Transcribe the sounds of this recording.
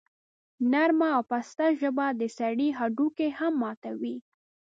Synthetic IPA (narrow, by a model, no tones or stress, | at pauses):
naɾmaːwpast̪aʒəbad̪əsaɽiɦaɖukehamːɑt̪awi